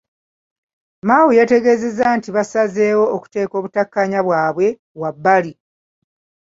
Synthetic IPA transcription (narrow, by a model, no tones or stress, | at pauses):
maːwujate̞ɡe̞ːze̞zantiβasaze̞ːwo̞ːku̥te̞ːko̞ːβutakːaɲaβwaːβwe̞ | βwabːali